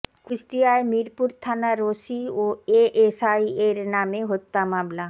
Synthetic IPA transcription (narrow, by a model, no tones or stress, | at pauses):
kɾisʈijaemiɾpuɾt̪ʰanaɾosioeʔesajeɾnameɦot̪ːamabla